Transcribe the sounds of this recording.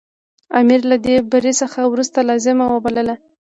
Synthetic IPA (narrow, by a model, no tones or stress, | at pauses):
amiɾlad̪ebaɾesəxawɾust̪alɑzɪmawəbaləla